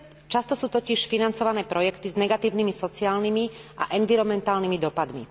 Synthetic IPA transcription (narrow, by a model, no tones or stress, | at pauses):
t͡ʃast̪ɔsuːt̪ɔciʃfinant͡sɔʋanɛːpɾɔjɛkt̪iznɛɡat̪iːʊnimisɔt͡siaːlnimiʔa̰ʔɛnviɾɔmɛnt̪aːlnimid̪ɔpad̪mḭ